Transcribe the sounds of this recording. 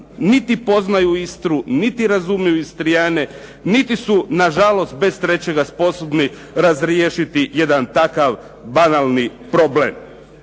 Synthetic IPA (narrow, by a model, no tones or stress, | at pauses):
nit̪ipo̞znajuist̪ɾunit̪iɾazumijuist̪ɾijane | nit̪isunaʒalo̞st̪̚be̞st̪ɾe̞t͡ɕe̞ɡaspo̞so̞bni | ɾazɾjeːʃit̪ije̞d̪ant̪akaʋ | banalˠnipɾoblḛm